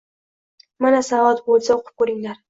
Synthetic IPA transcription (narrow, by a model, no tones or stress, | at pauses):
manasavɒt̪bolˠsaoqʰʊ̥p̚kɵɾɪŋlaɾ